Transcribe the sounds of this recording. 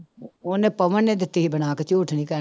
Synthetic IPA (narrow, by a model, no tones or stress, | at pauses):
oːnẽːpəʋənːẽːd̪ɪt̪ːiːɦiːbəɽnaːket͡ʃuːʈʰnĩːkə